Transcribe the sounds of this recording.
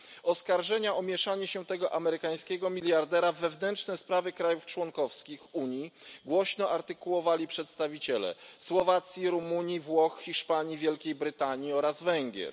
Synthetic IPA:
ɔskaɾʐɛɲaɔmʲjɛʂaɲɛɕɛt̪ɛɡɔʔamɛɾɘkaj̃skʲɛɡɔmʲilʲjaɾd̪ɛɾavːɛvnɛntt͡ʂnɛspɾavɘkɾajuft͡ʂwɔŋkɔfskʲixuɲjiɡwɔɕnɔʔaɾt̪ɘkuwɔvalʲipʂɛt̪st̪avʲit͡ɕɛlɛ̰swɔvat̪sʲjiɾumuɲivwɔxxʲiʂpaɲivʲjɛlkʲejbɾɘt̪aɲiɔɾazvɛŋɡʲjɛ̰ɾ

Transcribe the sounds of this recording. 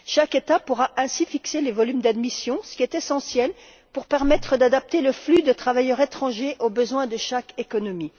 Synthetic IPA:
ʃaket̪apuʁaʔɛ̃sifikselevɔlymd̪ad̪misjɔ̃sə̥kʲiɛt̪esɑ̃sjɛl | puʁpɛʁmɛt̪χəd̪ad̪ap̚t̪eləflyd̪ət̪χavajœʁet̪χɑ̃ʒeʔobəzwɛ̃d̪əʃakekɔnɔmi

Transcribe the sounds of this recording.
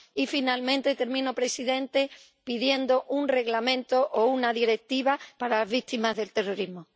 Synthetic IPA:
ifinalmẽnt̪et̪e̞ɾmĩnopɾe̞siðẽ̞nt̪e̞ | piðje̞nd̪o̞ʔunre̞ɣlamẽ̞nt̪oʔounaðiɾe̞k̚t̪iβapaɾalazβ̞it̪imazðe̞lt̪e̞ro̞ɾizmo

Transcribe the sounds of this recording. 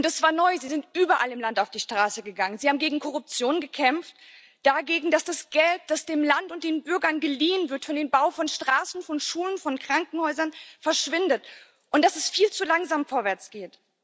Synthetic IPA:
ʔʊntɛsv̥aːɐnɔʏziːzɪntʔyːbɐʔalɪmlantaʊfd̥iːʃtʁ̥aːsəɡəɡaŋənzihaːbm̩ɡeːɡŋ̩kʰɔʁʊp̚t͡sjoːnɡəkʰɛmft | d̥aɡeːɡŋ̩dasd̥asɡ̥ɛlt̚d̥asd̥eːmlantʊnt̚d̥eːnbʏɐɡɐnɡəliːənvɪɐtfɔndeːnbaʊfɔnʃtʁ̥aːsn̩fɔnʃuːlənfɔnkʁ̥aŋkŋ̩hɔʏzɐnfɛɐʃv̥ɪndət | ʔʊnt̚d̥asɛsfiːlt͡sulaŋzaːmfoːɐvɛɐt͡sɡ̥eːt

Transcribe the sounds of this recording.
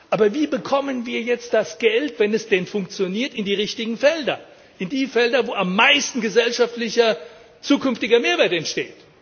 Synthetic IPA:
ʔaːbɐviːbəkʰɔmənviːɐjɛt͡st̚d̥asɡ̥ɛltv̥ɛnɛsd̥ɛnfʊŋk̚t͡sjoniːɐtɪndiːʁɪçtɪɡŋ̩fɛldɐ | ʔɪndiːfɛldɐvoːamːaɪstn̩ɡəzɛlʃaftlɪçɐ | t͡suːkʰʏnftɪɡɐmeːɐveːɐtɛntʃteːt

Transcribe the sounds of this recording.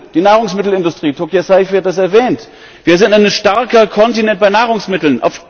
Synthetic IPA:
d̥iːnaːʁ̞ʊŋsmɪtl̩ɪndʊstʁ̥iːtʰokjasaɪfv̥iat̚d̥as̬ɛɐvɛːnt | v̥iːɐzɪntaɪnəʃtaɐkɐkʰɔntinɛnt̚b̥aɪnaːʁʊŋsmɪtl̩nʔa̰ʊf

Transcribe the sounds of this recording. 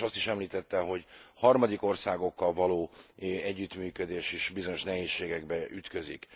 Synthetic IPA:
ɒst̪iʃɛmliːt̪ɛt̪ːɛɦo̞ɟhɒrmɒd̪iko̞rsaːɡo̞kːɒlvɒloːɛɟːyt̪myːkød̪eːʃiʃbizo̞ɲo̞ʃnɛɦeːʃːeːɡɛɡbɛʔyt̪kø̞zik

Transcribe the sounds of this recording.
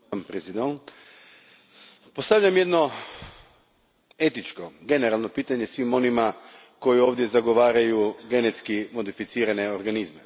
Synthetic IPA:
mpɾezid̪oŋk | post̪aʋʎamje̞d̪no̞ | e̞t̪it͡ʃko̞ɡe̞neɾalˠno̞piːt̪aɲe̞sʋimo̞nima | ko̞jio̞ːʋd̪ʲje̞zaɡo̞ʋaːɾajuɡe̞ne̞t̪skimo̞d̪ifit̪siːɾane̞oɾɡanizme

